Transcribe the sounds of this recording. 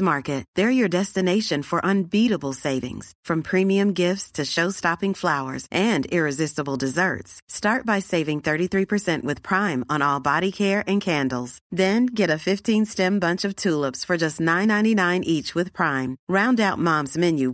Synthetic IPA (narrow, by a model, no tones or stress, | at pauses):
mɑɹkɨt̪̚ðə˞jə˞dɛstɨneɪʃɨ̃nfə˞ʔə̃nbiɾəbl̩ˠseɪvɪ̰̃ŋz̥fɹʌ̃mpʰɹ̥ĩmiɨ̃mɡɪftstʰɨʃoʊstɑpɪ̃ŋflaʊə̰˞zʔɨ̃ndɪɹɨzɪstəbl̩ˠdɨzɜ̰˞tstɑɹt̚b̥aɪseɪvɪ̃ŋθɜ˞ɾiθɹipʰə˞sɛ̃nʔwɨð̥pʰɹ̥ãɪ̃mə̃nɔlˠbɑɾikʰɛɹʔɨ̃nkʰæ̃ndˡl̩ˠz̥ðɨ̃nɡɛɾɨfɪftʰĩnstɛ̃mbʌ̃nt͡ʃʌv̥tʰulˠəpsfə˞d͡ʒʌstⁿnãɪ̃nãɪ̃ntinãɪ̃nʔit͡ʃwɨð̥pʰɹ̥ãɪ̃mɹãʊ̃ndaʊt̚mɑ̃mzmɪ̃njʉ